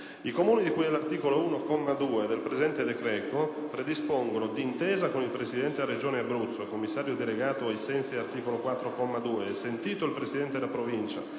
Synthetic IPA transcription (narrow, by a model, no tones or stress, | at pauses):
ikomuːnid̪ikuːjɛlart̪iːkolouːnokɔmːad̪uːed̪elpɾezɛnt̪ed̪ekɾɛːt̪o | pɾed̪ispoŋɡonod̪int̪ɛːzakonilpɾesid̪ɛnt̪earːed͡ʒoːneabɾut̪sːokomːisːaːɾjod̪eleɡaːt̪oajsɛnsiart̪iːkolokwat̪ːɾokɔmːad̪uːeɛsːent̪iːt̪oilpɾesid̪ɛnt̪ed̪elapɾovint͡ʃa̰